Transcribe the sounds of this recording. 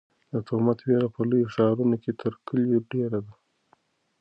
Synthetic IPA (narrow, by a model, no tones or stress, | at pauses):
d̪ət̪omat̪weɾapəlujoʂɑɾunoket̪ʰəɾkʰəljoɖeɾad̪a